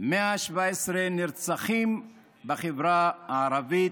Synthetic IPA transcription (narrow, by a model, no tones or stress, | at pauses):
meaʃvaesʁeniɾt͡saχim | baχevɾaaːɾavi